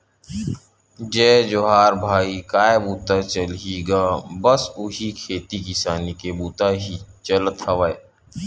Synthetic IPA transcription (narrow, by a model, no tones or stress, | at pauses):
d͡ʒɛːd͡ʒoɦaːɾbʱaːikaːebuːt̪at͡ʃəlɦiɡaːbɐsʊɦikʰeːt̪ikɪsaːnikebuːt̪aɦit͡ʃələt̪hɐʋae